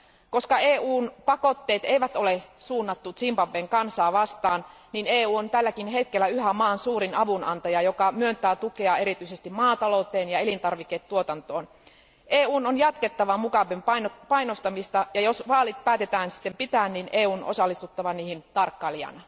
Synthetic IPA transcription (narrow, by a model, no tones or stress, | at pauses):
koskɑeːuːnpɑkot̪ːeːt̪eiʋæt̪olesuːnːɑt̪ːut̪simpɑʋːeːŋkɑnsɑːʋɑst̪ɑːnnineːuːont̪ælːækinhe̞t̪kelːæyhæmɑːnsuːrinɑʋunɑ̰nt̪ɑjɑjokɑmyønt̪æːt̪ukeɑe̞ɾit̪yisest̪immɑːt̪ɑlout̪eːnjɑelint̪ɑrʋikːet̪t̪uot̪ɑnt̪o̰ːn | ʔeːuːnonjɑt̪ket̪ːɑʋɑmukɑʋempɑnopɑinost̪ɑmist̪ɑjɑjosʋɑːlit̪̚pæːt̪et̪æːnsi̥t̪ːempit̪æːnninʔeːuːno̰sɑlːist̪ut̪ːɑʋɑniːhint̪ɑrkːɑliɑ̰n